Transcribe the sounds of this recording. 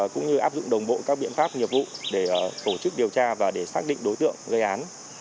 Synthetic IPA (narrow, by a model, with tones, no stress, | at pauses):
kʊ̰˧˥ŋ͡mɲɨ˧ʔaː˦˥p̚zʊ̰˧˨ŋ͡mɗə˨˩wŋ͡mɓo̰˧˨kaː˦˥k̚ɓḭ˧˨ənfaː˦˥p̚ɲi˨˩əp̚vṵ˧˨ɗe˧˩t̪o˧˩t͡ɕɨ˦˥k̚ɗi˨˩əwt͡ɕaː˧vaː˨˩ɗe˧˩saː˦˥k̚ɗḭ˧˨ŋ̟ɗo˨˦jt̪ɨ̰˧˨əŋɣə˧jʔaː˨˦n